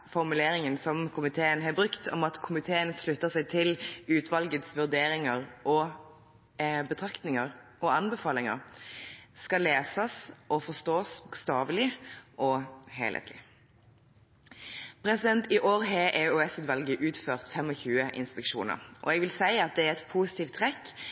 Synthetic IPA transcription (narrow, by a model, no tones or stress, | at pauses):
fɔʁmʉleːɾɪŋənsɔmkʰʊmɪt̪ʰeːənɦɑbɾʉkt̪ʰɔmɑt̪kʰʊmɪt̪ʰeːənslʉt̪ːəsæɪt̪ʰɪlʉːt̪ʰʋɑlɡət̪sʋʉʁd̪eːɾɪŋəʁʔɔ | bət̪ʰʁɑkt̪nɪŋəɾʔɔɑnbəfɑːlɪŋə̰ʁ | skɑleːsəsʔɔfɔst̪oːsbukst̪ɑːʋlɪʔɔheɪlə̰t̪ʰlɪ | pɾɛsɪd̪ɛnt̪ɪʔoːɾɦeʔɛʉɛsʉːt̪ʋɑlɡəʔʉːt̪føːʁt̪fɛmɔçʉːəʔɪ̰nspɛkʂṵːnə̰ʁʔɔ̰ɛɡʋɪlsæɪɑt̪̚d̪ɛæɾɛt̪pʰuːsɪ̥t̪iːft̪ʰːʁɛkː